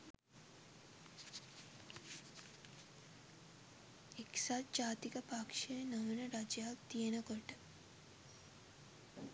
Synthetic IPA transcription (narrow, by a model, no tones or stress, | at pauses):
eksaːt̪̚d͡ʒaːt̪ikɐpakʃejnɐʋɐnəɾad͡ʒjaːkt̪ijenɐkoʈə